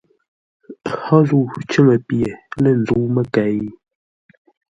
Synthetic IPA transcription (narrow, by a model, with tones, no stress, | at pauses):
hɔ˦zu˦˨t͡ʃə˦ŋə˨pje˨lə˦˨n˨d͡zu˨˦mə˦˨ka˨i˦